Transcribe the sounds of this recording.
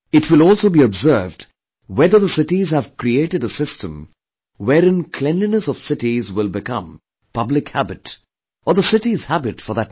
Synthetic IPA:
ɨtʰwɪlˠɔlˠsoʊbiɨbzɜ˞vd | wɛðə˞ðəsɪtizhəv̥kʰɾieɪɾɨɾəsɪstʰə̃m | wɛɾɪ̃nkʰl̥ɛ̃nlinəsʌv̥sɪɾizwɪlˠbɨkʰʌ̰̃m | pʰʌblɨkhæbɨt | ə˞ðəsɪɾiz̥hæbɨtfə˞ðət̚

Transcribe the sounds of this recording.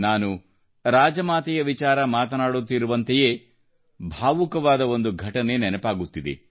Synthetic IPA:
naːnu | ɾaːd͡ʒɐmaːt̪ɛjɐʋit͡ʃaːɾɐmaːt̪ɐnaːɽut̪ːiɾuʋɐnt̪eje̞ː | bʱaːʋukɐʋaːd̪ɐo̞nd̪uɡʱɐʈɐne̞nɛnɐpaːɡut̪ːid̪ḛ

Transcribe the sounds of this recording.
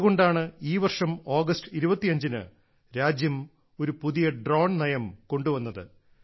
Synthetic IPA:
ɣo̞ɳɖaːɳɨiːʋɐrʂɐmo̞ːɡɐstɨiɾubɐt̪ːijɐɲd͡ʑinɨ̰ | ɾaːd͡ʑjɐm | o̞ɾupuðijɐɖro̞ːɳnɐjɐmko̞ɳɖuʋɐnːɐðɨ̰

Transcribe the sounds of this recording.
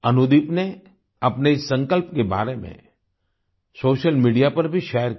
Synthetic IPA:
ɐnud̪ɪpne | ɐpneɪsːɐ̃ŋkəlp̚keba̰ːɾemḛ̃ | soːʃəlmiːɖijapɐɾbʱiʃɛːjəɾ

